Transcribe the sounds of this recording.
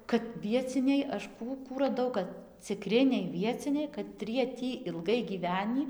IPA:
kɐt ʋʲiɛˈt͡sʲɪnʲɛɪ ˈɐʃ ˈkuː ˈkuː rɐˈdɐʊ kɐt t͡sʲɪˈkrʲɪnʲɛɪ ˈʋʲiɛt͡sʲɪnʲɛɪ kɐˈtʲrʲiɛ ˈtʲiː ɪlˠˈɡɐɪ ɡʲiːˈʋʲæːnʲiː

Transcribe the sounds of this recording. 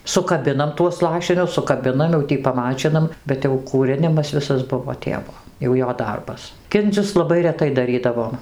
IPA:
sʊkɐˈbʲɪnɐm tuɔs ˈlˠɑːʃʲɪnʲʊs sʊkɐˈbʲɪnɐm jɛʊ ˈtʲiː pɐˈmɑːt͡ʃʲɪnɐm bʲɛt jɛʊ kuːˈrʲɪnʲɪmɐs ˈʋʲɪsɐs ˈbʊʋoː ˈtʲeːʋoː jɛʊ ˈjoː ˈdɐrbɐs ˈkʲɪnʲd͡zʲʊs lˠɐˈbɐɪ rʲɛˈtɐɪ dɐˈrʲiːdɐʋoːm

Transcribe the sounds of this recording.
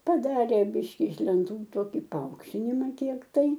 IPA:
pɐˈdɑːrʲeː ˈbʲɪʃʲkʲɪ ɪʃ lʲɛnˈtuː ˈtoːkʲɪ pɐˈɐʊkʃʲtʲɪnʲɪmɐ ˈkʲiɛk tɐɪ

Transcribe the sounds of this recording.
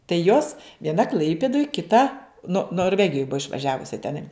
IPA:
tɐɪ ˈjoːs ʋʲiɛˈnɐ ˈklˠɐɪpʲɪdoːj kʲɪˈtɐ noː noːrʲˈʋʲæːɡʲɪjoːj ˈbʊɐ ɪʃʋɐˈʒʲæːʋʊsʲɪ tʲɛˈnɐɪ

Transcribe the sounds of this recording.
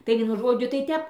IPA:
tɐɪ ˈʋʲiɛnʊ ˈʒoːd͡ʒʲʊ tɐɪ ˈtʲɛp

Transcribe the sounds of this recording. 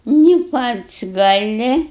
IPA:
nʲɪ ˈpɐts ɡɐˈlʲɪ

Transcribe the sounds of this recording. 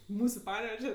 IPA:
ˈmuːsʊ ˈpɑːnʲɛʋʲɛʒʲɛ

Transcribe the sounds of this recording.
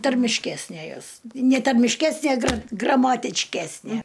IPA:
tɐrʲmʲɪʃʲˈkʲæːsʲnʲeː ˈjoːs nʲɛ tɐrʲmʲɪʃʲˈkʲæːsʲnʲeː ɡrɐ ɡrɐmɐtʲɪt͡ʃʲˈkʲæːsʲnʲiɛ

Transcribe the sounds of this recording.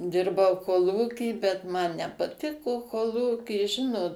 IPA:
ˈdʲɪrbɐʊ koːˈlˠuːkʲiː bʲɛt ˈmɐn nʲɛpɐˈtʲɪkoː koːˈlˠuːkʲiː ˈʒʲɪnoːt

